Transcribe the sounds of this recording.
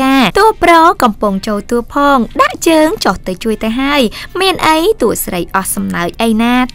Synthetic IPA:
aːt̪ʊəlprɔːkɑmpuŋt͡ɕoːlt̪uəpʰɑːŋɗaʔt͡ɕəːŋt͡ɕoht̪ɨwt͡ɕuəjt̪əɦaəjmiənʔəjt̪uəʔsrəjʔɑhsɑmnaəc̚ʔəjnaː

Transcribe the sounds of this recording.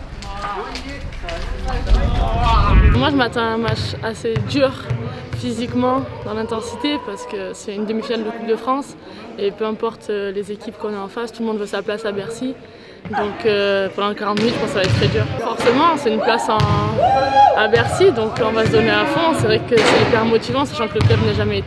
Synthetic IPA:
mwaʒəmat̪ɑ̃ɛ̃mat͡ʃased̪yʁfizikmɑ̃d̪ɑ̃lɛ̃t̪ɑ̃si̥t̪epaʁsə̥kəsɛynd̪əmifinald̪əkup̚d̪əfχɑ̃s | epøɛ̃pɔʁt̪ʰølezekʲipkɔ̃nɛɑ̃fast̪uləmɔ̃d̪vøsaplasabɛʁsi | d̪ɔ̃køpɑ̃d̪ɑ̃ləkaʁɑ̃t̪minyt̪ʒəpɑ̃ksavaɛt̪t̪ːχɛd̪yːʁfɔʁsemɑ̃sɛynplasɑ̃ | abɛʁsid̪ɔ̃kɔ̃vas̬əd̪ɔneafɔ̃sɛvʁɛkəsɛipɛʁmɔt̪ivɑ̃saʃɑ̃kələkɛpnɛʒamɛt̪

